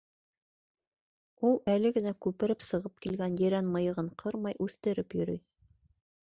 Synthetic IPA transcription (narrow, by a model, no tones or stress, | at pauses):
ulˠælɘɡɘ̆nækʉpɘ̆ɾɘpsɤ̆ʁɤp̚kilɡænjɘ̆ɾænmɤ̆jɤ̆ʁɤɴqʰɤɾmɑjʔʉθt̪ɘ̆ɾɘpjɵ̆ɾyj